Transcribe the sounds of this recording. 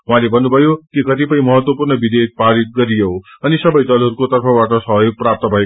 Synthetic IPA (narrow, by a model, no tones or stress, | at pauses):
ɦwũãlebʱʌnːubʱʌjokikʌt̪ipʌj̃mʌɦʌt̪wʌpurnʌbid̪ek̚paɾit̪̚ɡʌɾijoʌnisʌbʌjd̪ʌlɦʌɾukot̪ʌrpʰʌbaʈʌsʌɦjoɡ̚prap̚t̪ʌbʱʌe